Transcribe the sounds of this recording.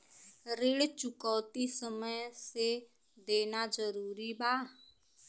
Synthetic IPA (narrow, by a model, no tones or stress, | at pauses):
ɾɪɽt͡ʃʊkɔːt̪isəməjse | d̪eːnad͡ʒəɾuːɾibaː